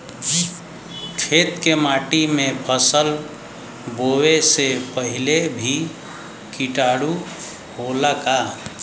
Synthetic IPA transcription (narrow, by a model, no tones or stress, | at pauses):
d͡ʒ | kʰet̪kemaʈimebʰʱəsəl | bowesepəɦilebʱi | kiʈaɽu | holaka